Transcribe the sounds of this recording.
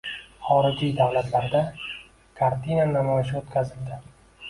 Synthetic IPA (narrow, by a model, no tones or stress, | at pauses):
χɒɾɪd͡ʒijd̪awlat̪ʰlaɾd̪a | kʰaɾt̪ʰinanamɒjɪʃ̬ɪot̪kʲʰazɪld̪ɪ